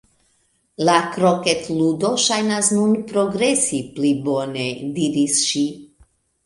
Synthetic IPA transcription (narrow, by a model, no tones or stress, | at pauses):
lakɾoket̪ludo̞ʃajnasnunpɾo̞ɡɾe̞siplibo̞ne̞diɾisʃi